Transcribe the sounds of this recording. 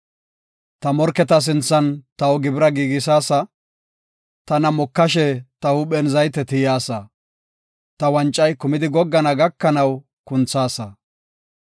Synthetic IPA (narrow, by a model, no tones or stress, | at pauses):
t̪ɐmɔɾkɛt̪ɐs̬ɪnt͡sːɐnt̪ɐɔɡɪbɪɾɐɡiːɡɪs̬aːsɐ | t̪ɐnɐmɔkːɐʃ̬ɛt̪ɐhʊɓɛnzɐjt̪ːɛt̪ɪjaːsɐ | t̪ɐwɐnt͡ʃʼːɐjkʊmɪd̪ɪɡɔɡːɐnɐɡɐkːɐnɐw | kʊnt͡sːaːsɐ